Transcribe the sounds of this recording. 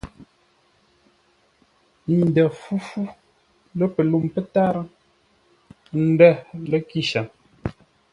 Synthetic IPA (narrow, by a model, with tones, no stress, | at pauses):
n̩˨dɛ˨fu˦fu˦ | lə˦pə˨lu˦˨mpə˦ta˦ɾə˦ | n̩˦dɛ˦˨lə˦ki˦ʃa˨m